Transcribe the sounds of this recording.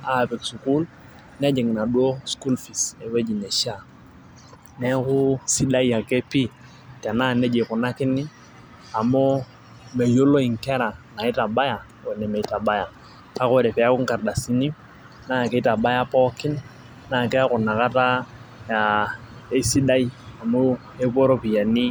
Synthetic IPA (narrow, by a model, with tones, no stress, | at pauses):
a˨pɛ˨ksu˨ku˦l | nɛ˦d͡ʒɛ˨ŋ˨na˨dwo˦sku˦lfi˨sɛ˨we˦d͡ʒi˨nɛ˨ʃa˦ | nɛ˦ku˦si˦da˦i˦a˨ke˦pi˦ | tɛ˨na˦nɛ˦d͡ʒe˨kʊ˨na˦kɪ˦nɪ˦ | a˨mo˦ | me˨jo˦lo˦i˨ŋ˨kɛ˦ɾa˨na˨ɪ˦ta˨ba˦ja˨ | o˨nɛ˨me˨i˨ta˨ba˦ja˨ | ka˦kɔ˦ɾɛ˨pɛ˨a˦kʊ˦ŋ˦ka˨ɾda˨si˦ni˦ | na˦˨ke˨i˦ta˨ba˦ja˦pɔ˦kɪ˦n | na˦˨kɛ˦a˦kʊ˨na˨ka˦ta˦ja˨ | e˦si˦da˦i˦a˨mʊ˦ | e˦ko˦ɾo˦pi˨ja˨ni˦